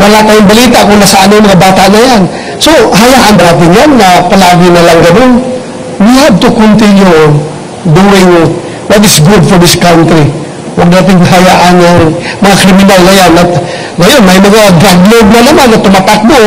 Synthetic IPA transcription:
wɐlaʔt̪aːjʊŋbɐlit̪aʔkʊnasɐʔanoŋmɐŋabaːt̪aʔnajan | soɦajaʔanbɐnaːt̪̬ɪŋjanŋapalaːɡɪnɐlaŋɡɐnon | lʊɦab̪̚t̪ʊkʊnt̪ɪnjo | d̪uwɪŋ | wat̪ɪsɡʊd̪foɹd̪ɪskawnt̪ɾi | waɡ̚naːt̪̬ɪŋkɐɦajaʔanaŋmɐŋakɾɪmɪnalːɐjawna | ɡɐjonmajmɐŋaɡaɡloɡ̚nalaːmaŋnat̪ʊmat̪ak̚b̪o

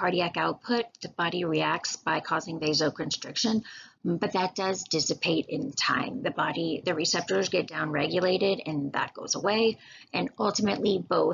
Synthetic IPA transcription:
ɑɹɾiækaʊt̚pʰʊt̪̚ðɨb̥ɑɾiɹiæk̚tsb̥aɪkʰɔzɪ̃ŋðeɪzoʊkʰɨ̃nstɹ̥ɪkʃɨ̃nbʌt̪̚ðɨt̚d̥ʌzd̥ɪsɨpʰeɪɾɪ̃ntʰã̰ɪ̃mðɨbɑɾiðɨɹisɛp̚tə˞zɡɛt̚d̥ãʊ̃nɹɛɡjɨleɪɾɪɾɨ̃nðə̰t̚ɡ̥oʊzəweɪ | ɨ̃nʌlˠtɨmɨʔˡliboʊ

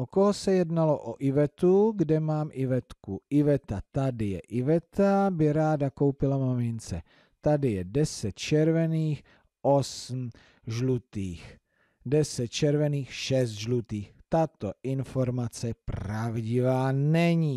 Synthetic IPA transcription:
ʔokoɦosɛjɛdnaloʔoʔɪvɛt̪uɡdɛmaːmʔɪvɛt̪kuʔɪvɛt̪at̪adɪjɛ̰ʔɪvɛt̪abɪɾaːdako̞wpɪlamamɪnt͡sɛ | t̪adɪjɛdɛsɛt̪t͡ʃɛɾvɛniːx | ʔosm̩ | ʒlut̪iːx | dɛsɛt̪̚t͡ʃɛɾvɛniːxʃɛs̬t̪ʒlut̪iːxt̪at̪oʔɪnfo̞ɾmat͡sɛpravɟɪvaːnɛɲiː

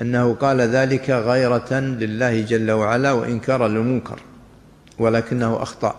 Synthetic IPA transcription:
ʔanːahʊqɑːlaðaːlɪkaɣɑjɾˤɑlɪlːaːhɪd͡ʒalːawaʕalawa̰ʔɪnkɑːɾˤalɪmʊŋkʰɑ̰ɾˤ | walaːkɪnːahʊʔɑ̰xt̪ˤɑ̰ʔ

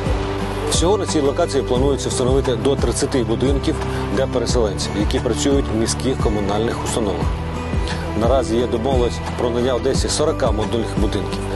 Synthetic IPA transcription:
sʲɔɦɔd̪nɐt͡sʲijlˠɔkɑt͡sʲijiplˠɐnujʊt͡sʲːɐwst̪ɐnɔʋɪt̪ɪd̪ɔt̪ɾɪt͡sʲːɐt̪ɪbʊd̪ɪnkʲiw | d̪lʲɐpeɾeselˠɛnʲt͡sʲiwjɐkʲipɾɐt͡sʲujʊtʲmʲisʲkixkɔmʊnɑlʲnɪxʊ̥st̪ɐnɔʋɐ̰x | nɐɾɑzʲijɛd̪ɔmɔʋlˠɐsʲ | pɾɔnɐnʲːawd̪ɛsʲɐsɔɾɐkɑmɔd̪ʊlʲnɪxbʊd̪ɪnkʲiw

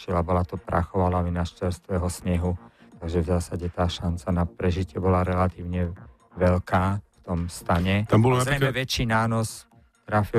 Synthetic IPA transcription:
t͡ʃilabɔlat̪ɔpɾʔa̰xɔʋalaʋinaʃt͡ʃɛɾst̪ʋɛɦɔsɲɛɦut̪aɡʒɛvzaːsaɟɛt̪aːʃant͡sanapɾɛʒicɪɛbɔlaɾɛlat̪iːʊɲɛ | ʋɛʎkaːft̪ɔmst̪aɲɛt̪ambɔlaɾɛjɛʋɛt͡ʃiːnaːnɔs | t̪ɾafi

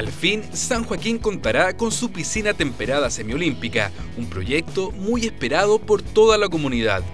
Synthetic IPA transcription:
alfinsaŋxwakiŋkont̪aɾako̞nsupisinat̪e̞mpeɾaðasemjolimpika̰umpɾo̞̰jek̚t̪omujespeɾað̞opoɾt̪oðalakomunið̞a̰ð

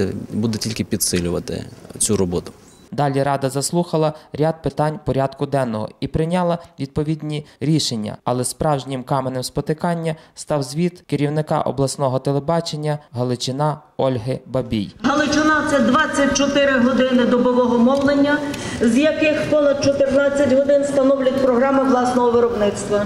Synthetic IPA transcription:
bud̪ɛtʲilʲkɪpʲid̪sɪlʲʊʋɐt̪ɪ̰t͡sʲuɾɔbɔt̪ʊ̥ | d̪ɑlʲiɾɑd̪ɐzɐslˠuxɐlˠɐɾʲɑd̪̚pɪt̪ɑnʲpɔɾʲɑd̪kʊd̪ɛnːɔɦɔ̰ipɾɪnʲɑlˠɐʋʲid̪̚pɔʋʲid̪ʲnʲiɾʲiʃenʲːɐ̰ɐlˠɛspɾɑwʒnʲɪmkɑmenemspɔt̪ɪkɑnʲːɐst̪ɑwzʲʋʲit̪kɪɾʲiwnɪkɑ̰ʔɔ̰blˠɐsnɔɦɔt̪elˠebɑt͡ʃenʲːɐɦɐlˠɪt͡ʃɪnɑɔlʲɦɪbɐbʲḭjɦɐlˠɪt͡ʃɪnɑɛd̪ʋɑt͡sʲːɐt̚ʲt͡ʃɔt̪ɪɾɪɦɔd̪ɪnɪd̪ɔbɔʋɔɦɔmɔwlˠenʲːɐzjɐkɪxpɔnɐd̪̚t͡ʃɔt̪ɪrnɑt͡sʲːɐtʲɦɔd̪ɪnst̪ɐnɔwlʲɐtʲpɾɔɦɾɑmɪʋlˠɑsnɔɦɔʋɪɾɔbnɪt̪st̪ʋɐ

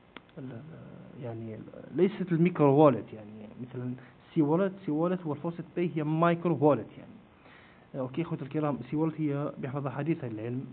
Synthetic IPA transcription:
ə | jaʕnilæjsæt̪lmikɾwæləd̪jaʕnimət̪læn | sːiwælæt̪siwælət̪wəlfɑsˤɨd̪b̪æjhəjːæmɑjkɾowæləd̪ja̰ʕni | ʔokexut̪əlkɑɾæməsiwælæt̪həjːæbjəħfɑðˤɑħad̪iːθʕaləlʕəlm

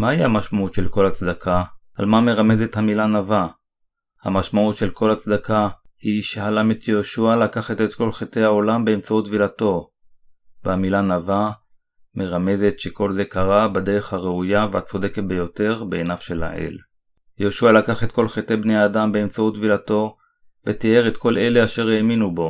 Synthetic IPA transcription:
maihamaʃmautʃelko̞lhat͡sd̪akʰa | almame̞ʁame̞zethamilanava | ha̰maʃmautʃe̞lko̞lhat͡sd̪akahiʃehalamet̪ʰjeoːʃualakaχatetko̞lχetejao̞lambeːmt͡sautvilato̞ | veamilanava | me̞ʁame̞ze̞tʃe̞ko̞lzekaʁabade̞ʁeχhaʁeujavehat͡so̞de̞ket̚bejo̞te̞ʁbeːnafʃe̞la̰ʔḛl | jeoʃualakaχetko̞lχetejbne̞jaːdambeːmt͡sautvilato̞ | vet̪ieʁetko̞le̞le̞aʃe̞ʁeːminubo̞

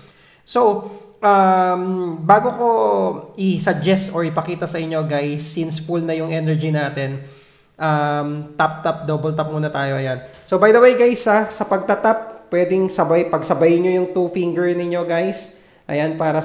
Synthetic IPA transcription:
so̞ʔɐmbaːɡo̞ko̞ʔɪsɐɡ̚d͡ʒɛst̪ʔoɹɪpɐkiːt̪ɐsɐʔɪɲːo̞ɡajsːinsfulnɐjʊŋʔɛnɛɹd͡ʒinaːt̪ɛn | ʔɐmt̪ap̚t̪ap̚d̪oːbɛlt̪ɐp̚muːnɐt̪aːjo̞ʔɐjanso̞bɐjd̪ɐwejɡajsːɐsɐpɐɡ̚t̪ɐt̪ap̚pːwɛːd̪ɪŋsɐbajpɐɡsɐbɐjɪɲɲojʊŋt̪ufiŋɡɛɹnɪɲːo̞ɡajs | ʔɐ̰janpaːɾɐ

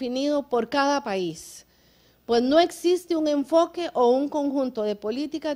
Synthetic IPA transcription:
iniðo̞poɾkaðapais | pwe̞sno̞eksist̪euŋe̞ɱfokeʔouŋko̞ŋxunt̪o̞ðe̞polit̪ika

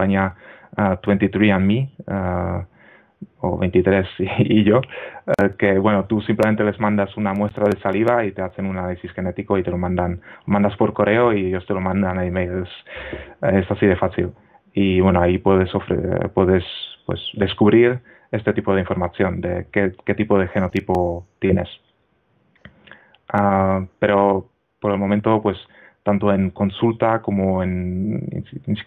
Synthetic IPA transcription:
aɲa | t̪went̪it̪ɾiami | o̰βejnt̪it̪ɾesiːʝo̞ | ke̞βwe̞not̪usimplement̪e̞le̞zmãnd̪asunamwest̪ɾað̞e̞saliðait̪e̞aθe̞nunanalisisxe̞ne̞t̪ikoit̪e̞lo̞mãnd̪anomãnd̪aspo̞ɾkoreoieʝo̞st̪e̞lo̞mãnd̪anaimejles | esasiðe̞faθil | iβwe̞noaipweð̞e̞sofɾḛpwe̞ðe̞spwḛsðe̞skuβɾiɾ | e̞st̪e̞t̪ipo̞ð̞eiɱfo̞ɾmaθjo̞nd̪ḛkeke̞t̪ipo̞ð̞e̞xe̞no̞t̪ipot̪je̞ne̞̰s | ape̞ɾo̞ | po̞ɾelmomẽnt̪o̞pwe̞s | t̪ant̪o̞e̞ŋko̞nsult̪ako̞moen̰ | nis

